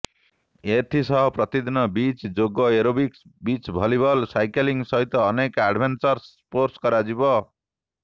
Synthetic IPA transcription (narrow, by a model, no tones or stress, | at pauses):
et̪ʰisɔɦɔpɾɔt̪id̪inɔbit͡ʃd͡ʒoɡɔeɾobiksbit͡ʃbʱɔlibʱɔlsajkeliŋsɔɦit̪ɔːnekaɖbʱensɔɾs | poɾskɔɾad͡ʒibɔ